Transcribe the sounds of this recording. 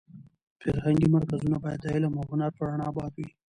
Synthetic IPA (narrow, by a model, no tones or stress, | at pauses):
faɾhaŋɡimaɾkazunabɑjad̪zailamaɦʊnaɾpaɾaɳɑbɑt̪wi